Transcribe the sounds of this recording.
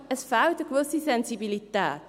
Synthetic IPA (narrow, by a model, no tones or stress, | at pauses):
əsfwtəkʋusisɛnsibilitɛːt